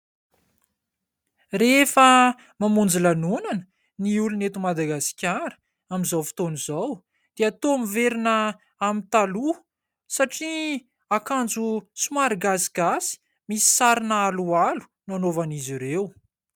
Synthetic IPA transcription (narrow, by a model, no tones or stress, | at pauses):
refə | mamund͡zilanunanə̥ | niulunet̪umad̪aɡasi̥kʲaɾə̥ | amizawfi̥t̪onizaw | d̪̥eat̪omiveɾinə | amint̪alu | saʈ͡ʂi | akand͡zusumaɾiɡasi̥ɡasi̥ | misi̥saɾinaalualu̥ | nanovaniziɾew